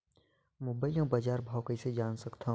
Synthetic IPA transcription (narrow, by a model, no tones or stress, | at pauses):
mʊbəɪjõbad͡ʒaːɾbʱaːwkəised͡ʒaːnsɐkt̪ʰaɦ